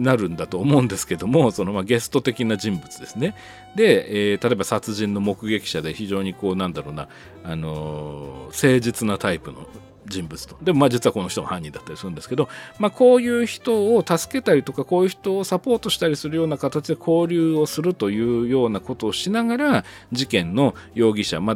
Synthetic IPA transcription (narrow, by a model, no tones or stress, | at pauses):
naɾɯ̟̃nd̪at̪o̞ːmo̞ɯ̟̃nd̪e̞sɨ̥ke̞d̪o̞mo̞so̞no̞maɡe̞sɨ̥t̪ot̪e̞kʲinad͡ʑĩmbɯ̟t͡sɨd̪e̞sɨne̞ | d̪e̞eːt̪at̪oebasat͡sɨʑĩnːo̞mo̞kɯ̟ɡe̞kʲi̥ɕad̪e̞çiʑo̞ːɲ̟iko̞ːnãnd̪aɾo̞ːna̰ | ano̞̰ | se̞ːd͡ʑit͡sɨnat̪aipɯ̟no̞̰ | d͡ʑĩmbɯt͡sɨ̥t̪od̪e̞mo̞maːd͡ʑit͡sɨɯβako̞no̞çi̥t̪oɡa̰hãɲ̟ːĩnd̪at̪ːaɾʲisɨɾɯ̟nd̪e̞sɨ̥ke̞d̪o̞makʰo̞ːjɯːçi̥t̪o̞ːt̪asɨ̥ke̞t̪aɾʲit̪o̞kako̞ːjɯ̟ːçi̥t̪o̞ːsapo̞ːt̪o̞ɕi̥t̪aɾʲisɨɾɯjo̞ːnakat̪at͡ɕid̪e̞kʰo̞ːɾʲɨːo̞sɨɾɯ̟t̪o̞jɯ̟ːjo̞ːnako̞t̪o̞ːɕinaɡaɾa | d͡ʑikẽ̞nːo̞jo̞ːɡʲiɕa̰ma